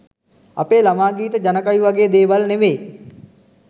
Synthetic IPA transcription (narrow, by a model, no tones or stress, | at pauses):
a̰peːlamaːɡiːt̪əd͡ʒanəkajuʋaɡeːd̪eːʋalneʋeː